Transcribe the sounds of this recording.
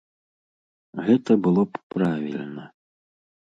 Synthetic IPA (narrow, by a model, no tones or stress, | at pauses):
ɣɛt̪ɐbɨlˠɔppɾavʲḭlʲnɐ